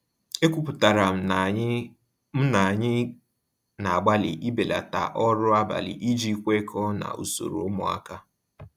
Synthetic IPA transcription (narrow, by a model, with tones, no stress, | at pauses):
e˦kʷu˦pʊ˨ta˨ɾa˨m̩˨˦ | m̩˦na˨ɲɪ˦ | na˨a˨ɡ͡ba˦lɪ̰˨ʔi˦be˨la̰˨ta̰˨ʔɔ˦ɾʊ˦a˦ba̰˨lɪ̰˨ʔi˦d͡ʒi˦kʷe˦kʰɔ˦na̰˨ṵ˨so̰˨ɾo̰˨ʊ˦mʊ˨a̰˦ka˦